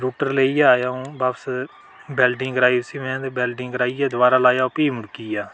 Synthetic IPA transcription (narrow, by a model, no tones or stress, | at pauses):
ɾuːʈəɾleijaːjaːõːbaːps | bɛːlɖɪ̃ŋɡɾaːjusiːmɛ̃ːd̪ebɛːlɖɪŋɡəɾaːijaːd̪ʊʋaːɾaːlaːjaːoːpiːmʊɾkiːjaː